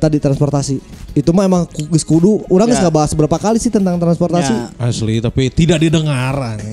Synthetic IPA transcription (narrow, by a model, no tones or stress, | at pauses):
t̪adit̪ɾanspɔrt̪asiit̪umaemaŋkuɡəskuduuɾaŋɡəsɡabaɦasbəɾapakalisɪht̪ənt̪aŋt̪ɾansport̪asiaslit̪apit̪idak̚didəŋaɾan